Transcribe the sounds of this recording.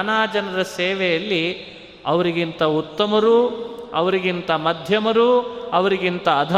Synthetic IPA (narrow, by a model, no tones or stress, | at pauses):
naːd͡ʒɐnɐɾɐseːʋɛjɐlːi | ɐʋɐɾiɡint̪ɐut̪ːɐmɐɾuɐ̰ʋɐɾiɡint̪ɐmɐd̪ʱjɐmɐɾuɐʋɐɾiɡint̪ɐːd̪ʱɐ